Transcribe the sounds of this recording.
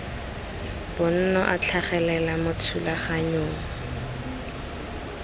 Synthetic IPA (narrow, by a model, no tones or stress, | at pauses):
b̥ʊn̩nɔʔat͡ɬʰaχɛlɛlamʊt͡sʰulaχaɲoːŋa